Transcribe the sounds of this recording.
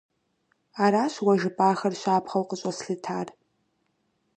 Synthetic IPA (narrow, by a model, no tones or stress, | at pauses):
aɾaːʃwaʒɨpʼaːxɐrʃʷaːpʰχɐlqʼəɕʷʼasɬɨtʰar